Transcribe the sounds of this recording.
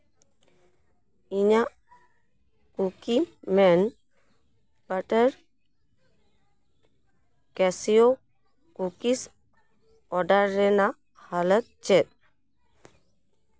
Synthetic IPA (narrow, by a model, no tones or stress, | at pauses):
iɲaʔ | kukimɛn | bəʈəɾ | kɛsijo | kukis | ɔɖaɾːɛna | halət̪̚t͡ʃɛt̪̚